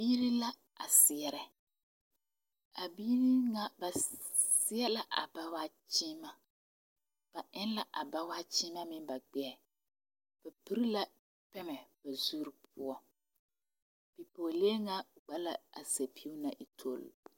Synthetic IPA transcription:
biː˦ɾi˦la˦ | a̰˨sɪ˨ɛ˦ɾɛ˨ | a˨biː˦ni˦ŋa˦ba˨sɪ˦ɛ˦la˦ʔa̰˨ba˦waː˦t͡ʃiː˦ma˦ | b̥a˨ʔɪ˦n˦la˦ʔa˨ba˦waː˦t͡ʃi˦ma˦mɪ˦ŋ˦ba˨ɡ͡bɛ˦ɛ˨ | b̥a˨pi˦ɾi˦la˦ | pɛ˦mɛ˨b̥a˨zuː˦ɾi˨pʊ˦ɔ˦ | b̥i˨po˨le˦ŋa˦ɡ͡ba˦la˦a̰˨se˨pʰi˦u˦na˨ʔi˨tʰo˦˨l

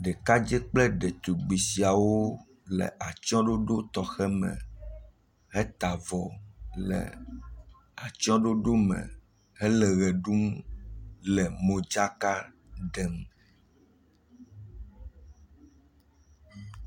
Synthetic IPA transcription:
ɖɛ˨ka˦d͡ʒɛ˦k͡plɛ˦ɖɛ˨t̪u˨ɡ͡bi˨si˨a˨wo˦ | lɛ̰˨ʔa˨t͡ʃɔ̃˦ɖo˦ɖo˦t̪ɔ˨xɛ˦mɛ̰̃˨ | ɦɛ˦t̪a˨vɔ˨lɛ̰˨ | a˨t͡ʃɔ̃˦ɖo˦ɖo˦mɛ̰̃˨ | hɛ˦lɛ˨ɣɛ˨ɖu˦m | lɛ˨mõ˨d͡ʒa˦ka˦ | ɖɛ˨m

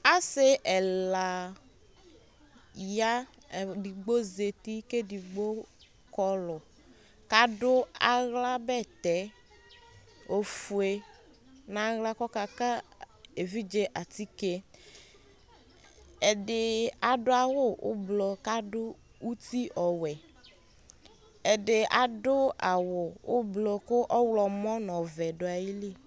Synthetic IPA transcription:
a˦sɪ˦ʔɛ˨la˨ | ja˦˨ | di˨ɡ͡bo˦ze˨ti˦ke˦di˨ɡ͡bo˦ | kɔ˦lʊ˨ | ka˦dʊ˦a˨ɣla˦bɛ˦˨t̪ɛ˨˦ | o˨fu˨e˨˦ | na˨˦ɣla˦kɔ˦ka˨ka˦ | e˨vi˦d͡ʒe˦ʔa˨t̪i˦ke˦ | ɛ˨dɪ˨a˨ɖʊ˦a˨wʊ˦ʊ̰˦blɔ˨ka˦ɖʊ˦ | u˦t̪i˦ʔɔ˨wɛ˨ | ɛ˨ɖɪ˨a˨dʊ˦a˨wʊ˨ʊ˦blɔ˨kʊ˦ʔɔ˦wlɔ˨mɔ̃˦nɔ̃˨vɛ˨ɖʊ˦a˨ji˦li˦˨

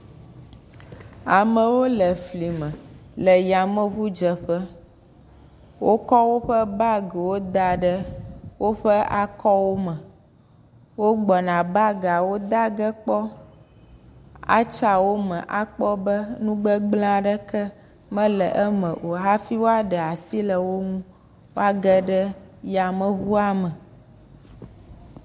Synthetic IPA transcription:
a˨mə̃˨wo˦lə˨fli˨mə̃˨lə˨ja˨mə̃˦βu˦d͡ʒə˨ɸə˦ | wo˦kɔ˦wo˦ɸə˦ba˦ɡɛ˨wo˦d̪a˦ɖə˦wo˦ɸə˦ʔa˦kɔ˦wo˦mə̃˨ | wo˦ɡ͡bɔ˨nã˨ba˦ɡa˨wo˦d̪a˦ɡə˦k͡pɔ˦ | a̰˦t͡ʃa˨wo˦mə̃˨ʔa˦k͡pɔ˦bə˦nũ˦ɡ͡bə˦ɡ͡bl̃ã˦ɖə˦kə˦ | mə̃˦lə˨ʔɛ˦mə̃˨ʔo˨ɦa˦fi˦wo˦a˦ɖə˨a˨si˦lə˨wo˦ŋũ˦ | wo˦a˦ɡə˦ɖə˦ja˨mə̃˨βu˦a˦mə˨

